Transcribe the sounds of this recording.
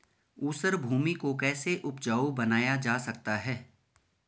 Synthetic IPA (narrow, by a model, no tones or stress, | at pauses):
uːsəɾbʱuːmikokɛːseʔʊp̚d͡ʒaːubɐnaːjad͡ʒaːsɐk̚t̪aɦɛː